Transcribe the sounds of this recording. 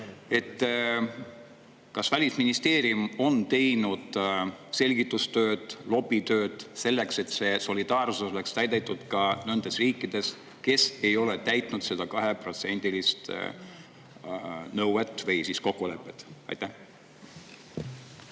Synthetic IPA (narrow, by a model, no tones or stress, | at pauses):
e̞t̪ː | kɑsvælʲisminist̪e̞ːɾiumo̞nt̪e̞jnud̪̥se̞lʲɡit̪ːˑust̪ø̞ːd̪̥lo̞bit̪ø̞ːd̪̥se̞lːe̞kse̞t̪se̞so̞lʲid̪̥ɑːrsusole̞kst̪æjd̪̥et̪ːˑud̪̥kɑnond̪̥e̞sriːkːˑid̪̥e̞s | ke̞se̞jo̞let̪æjt̪ˑnud̪se̞d̪̥ɑkɑɦe̞pro̞t̪se̞nʲd̪̥ilist̪ | nɤwwet̪ːˑvɤjsisko̞kːˑule̞pːˑe̞t̪ˑɑ̰jt̪ːæh